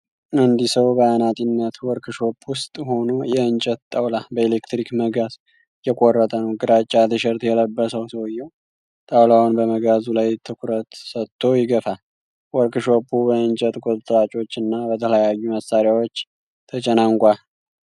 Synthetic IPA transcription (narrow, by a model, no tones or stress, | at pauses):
ʔɨnd̪isəwbəanat̪ʼinːət̪wɔɾkʰɨʃopʼːwʊst̪ʼɦo̞nojɛɨnt͡ʃʼət̪t̪ʼːəwlabəelekt̪ɾikməɡaz | jɛkʼorːət̪ʼənəwɡɨɾat͡ʃʼːat̪ɨʃɛɾt̪jɛləbːəsəwsəwɨjːɛw | t̪ʼawlawnbəməɡazulajt̪ʰɨkʰuɾət̪sət̪ʰːo̞jɪɡəfa | wɔɾkɨʃopʰʼːubəɨnt͡ʃʼət̪ʼkʼot̪ʼət̪ʼɾat͡ʃʼo̞t͡ʃːɨnːabət̪ʰələjajːuməsːaɾjawo̞t͡ʃː | t̪ʰət͡ʃʼɛnaŋkʷʼal